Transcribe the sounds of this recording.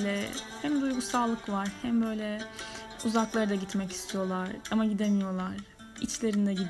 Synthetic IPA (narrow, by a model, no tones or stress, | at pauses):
lʲɛhæmd̪ujɡusaːlˠɯkvaɾ̥hæmbø̞jlʲɛ | uzaklˠaɾɯd̪aɟit̪mɛci̥st̪ʰijo̞lˠaɾ̥amaɟid̪emijo̞lˠaɾ̥ | it͡ʃlʲe̞ɾind̪ɛɟid̪